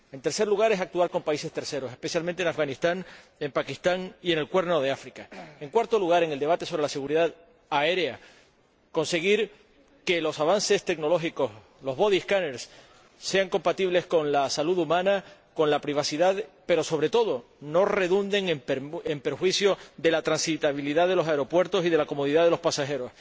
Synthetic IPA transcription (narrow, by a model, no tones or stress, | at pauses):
e̞nt̪e̞ɾse̞ɾluɣ̞aɾe̞sak̚t̪uaɾko̞mpaise̞st̪e̞ɾse̞ɾo̞se̞hpe̞sjalmẽnt̪enafɣanist̪aŋ | empakist̪aŋie̞ne̞lkwe̞ɾno̞ð̞eafɾikae̞ŋkwaɾt̪o̞luɣ̞aɾe̞ŋeld̪e̞βat̪e̞so̞βɾe̞lase̞ɣuɾiðað | ae̞ɾea | ko̞nse̞ɣ̞iɾ | ke̞lo̞saβanse̞st̪e̞kno̞lo̞xiko̞s | lo̞ɦβo̞ðihkane̞ɾs | se̞aŋko̞mpat̪iβle̞sko̞nlasaluðumãnako̞nlapɾiβ̞asiðaðpe̞ɾo̞so̞β̞ɾe̞t̪o̞ðo̞ | no̞re̞ðund̪e̞ŋpempeɾxwisjo̞ðe̞lat̪ɾansit̪aβiliðaðe̞lo̞saeɾo̞pwe̞ɾt̪o̞sið̞e̞lako̞moð̞iðaðe̞lo̞hpasaxe̞ɾo̞s